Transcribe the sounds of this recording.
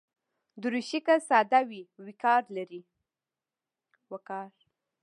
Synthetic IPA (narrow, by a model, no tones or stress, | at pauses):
d̪əɾuʃikasɑd̪awiwikɑɾlaɾi | wakɑɾ